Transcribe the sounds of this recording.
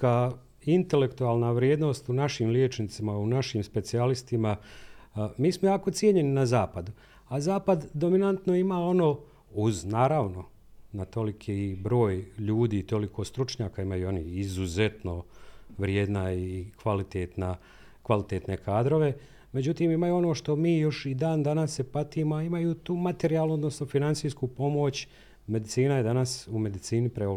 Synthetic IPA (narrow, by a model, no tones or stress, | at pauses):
ka | int̪e̞le̞kt̪uaːlˠnaʋɾjeːd̪no̞ːst̪unaʃimljeːt͡ʃnit̪simaunaʃimspe̞t̪sialist̪ima | miːsmojaːko̞t̪sjeɲe̞ninazaːpad̪u | azaːpad̪ːo̞minant̪no̞imaːo̞no̞ː | uznaːɾaːʋno̞ | nat̪o̞likʰiibɾo̞ːjʎuːd̪iːt̪o̞likʰo̞ːst̪ɾut͡ʃɲaːkaimajuo̞niizuze̞t̪no̞ʋɾjeːd̪naikʋalit̪et̪na | kʋalit̪eːt̪ne̞kʰaːd̪ɾo̞ʋe̞ | me̞d͡ʑut̪iːmimajuo̞no̞ːʃt̪o̞miːjo̞ʃid̪aːnd̪anasːepat̪iːmoaimajut̪uːmat̪e̞ɾiaːluo̞d̪nosnofinantsiːjskupo̞mo̞t͡ɕ | me̞d̪it̪siːnaje̞d̪anasume̞d̪it̪siːnipɾeo